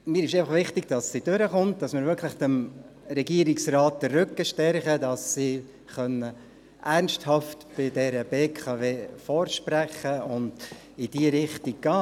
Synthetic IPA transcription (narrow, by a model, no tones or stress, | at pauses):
miːɾɪʃeɪfɑχʋɪχtɪɡ̥̚d̥ɑsːid̥ʉɾəχʊnt̚dɑsmɪːɾvʏɾkʰləχtəm | ɾɛɡiəɾɪksraːt̚dərːʏkːəʃtɛɾχədɑsːi | χœnːə | ʔærnsthɑftb̥ɪdɛɾəb̥eːkʰɑveːfɔːɾʃpɾæχəʊnd | ɪd̥iəɾɪχtɪk̚ɡ̥ɑː